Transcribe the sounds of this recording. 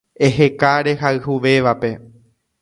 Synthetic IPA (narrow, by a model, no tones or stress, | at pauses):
e̞ɦe̞kaɾe̞ɦaɨhuʋe̞ʋape̞